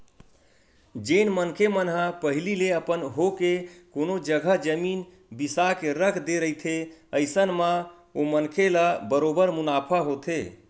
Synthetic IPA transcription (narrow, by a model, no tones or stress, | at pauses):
d͡ʒenmənkʰemənɦapəɦilileəpənɦokekonod͡ʒəɡʱəd͡ʒəmin | bisakeɾəkʰd̪eɾəɦit̪ʰeəɪsənmã | omənkʰelabəɾobəɾmunapʰaɦot̪ʰe